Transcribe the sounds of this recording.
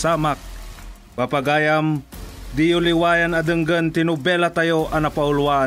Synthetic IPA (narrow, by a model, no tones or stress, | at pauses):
samak̚ | papaɡaːjamd̪ijʊlɪwaːjanɐd̪ɯŋɡənt̪ɪnʊbɛlat̪ajoʔɐnɐpaʊlwa